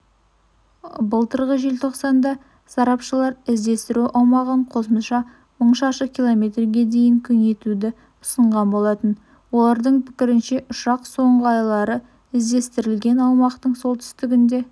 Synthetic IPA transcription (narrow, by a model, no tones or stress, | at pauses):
bəlˠt̪əɾʁəʒelt̪ʰo̞qsɑnd̪ɑ | sɑɾɑpʃəlˠɑɾɪzd̪e̞st̪ɪɾuʔɑwmɑʁəɴqʰo̞səmʃɑ | məɴʃɑʃəkʲʰilˠo̞mʲe̞t̪rɡʲe̞d̪e̞jɪŋkʲʰʏne̞t̪ud̪ɪ | ʊsəɴʁɑnbo̞lˠɑt̪ən | wo̞lˠɑɾd̪əɴpʰɪ̥kʲɪɾɪnʃe̞ʔʊʃɑqso̞ɴʁəɑjlˠɑɾə | ɪzd̪e̞st̪ɪɾɪlɡʲe̞nɑw̪ˠmɑqt̪əɴso̞lˠt̪ʰʏ̥st̪ɪɡʲɪnd̪e̞